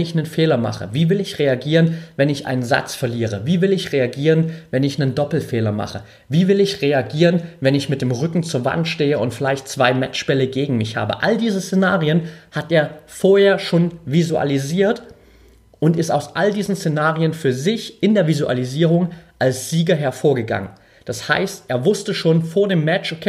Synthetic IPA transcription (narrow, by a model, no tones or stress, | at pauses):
nɪçnənfeːlɐma̰χə̰viːvɪlɪçʁeaɡiːʁənvɛnɪçʔa̰ɪnənza̰t͡sfɛɐliːʁəviːvɪlɪçʁeaɡiːʁənvɛnɪçnəndɔpl̩feːlɐma̰χə | viːvɪlɪçʁeaɡiːʁənvɛnɪçmɪt̚d̥eːmʁʏkŋ̩t͡suːɐva̰ntʃteːəʊntfɪlaɪçtt͡sv̥aɪmɛ̰t͡ʃb̥ɛləɡeːɡŋ̩mɪçha̰ːbə̰ʔa̰ldiːzəst͡senaːʁiənhatʔeːɐfoːɐheːɐʃoːnvizua̰liziːɐt | ʔʊntɪstaʊsʔaldiːzn̩st͡senaːʁiənfyːɐzɪçʔɪndeːɐvizuʔa̰liziːʁʊŋʔalsz̥iːɡɐɦɛɐfoːɐɡəɡa̰ŋən | d̥asha̰ɪstʔeːɐvʊstəʃoːnfoːɐdeːmːɛt͡ʃokʰː